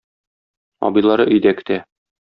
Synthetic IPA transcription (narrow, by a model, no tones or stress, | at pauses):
ɒ̰bɤ̆jlˠɑɾɤʔɵ̆jd̪ækt̪æ